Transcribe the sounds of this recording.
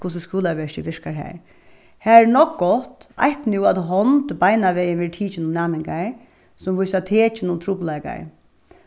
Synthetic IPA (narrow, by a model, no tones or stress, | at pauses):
kʰʊs̬əskuːlaʋɛʂt̪iʋɪɹkaɹɦɛ̰ɹ | hæːɛnɔkɡɔt̪a̰jht̪nuat̪ɦɔnt̪bajnaʋɛjɪnʋɛʈ̪ʰiːt͡ʃɪnʊmnaːmɪŋka | sʊmʋʊjsat̪ʰeːt͡ʃɪnʊnt̪ʰɾuːblaka̰j